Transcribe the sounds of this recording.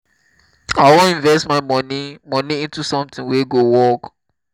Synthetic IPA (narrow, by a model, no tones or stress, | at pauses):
awõĩnvɛstmaɪmɔnimɔniĩntusɔ̃mt̪ĩŋweɡowɔk